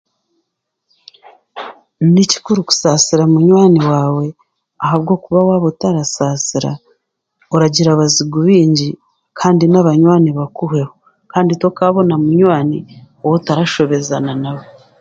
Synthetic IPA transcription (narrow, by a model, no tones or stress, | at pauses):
nici̥kuɾuku̥saːsiɾamuɲwaːniwaːwe̞ | aɦaβɡo̞ːkuβawaβotaɾasaːsiɾa̰ | oɾaɟiɾaβaziɡuβiːɲɟi | kʰaːndinaβaɲwaːniβakuɦe̞ho̞ | kaːnditwokaβo̞namuɲwaːni | owotaɾaʃo̞βe̞zananaβo